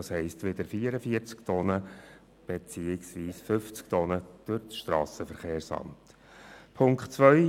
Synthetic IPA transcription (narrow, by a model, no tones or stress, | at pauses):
ɑshɛɪstʋɪd̪əɾfiːəɾəfiət͡skt̪ʰɔnə | b̥et͡siːɪksʋiːsfʏft͡sk̚t̪ɔnəd̪̥øɾt͡sʃt̪ɾɑ̰ːsəfəɾχeːɾsɑ̰mt̪ | pʰʊŋkχtt͡sʋœʏ